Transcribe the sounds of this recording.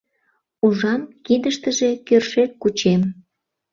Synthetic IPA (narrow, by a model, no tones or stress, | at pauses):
uʒɑmkid̪əʃt̪əʒe̽kørʃet̪̚kut͡ɕem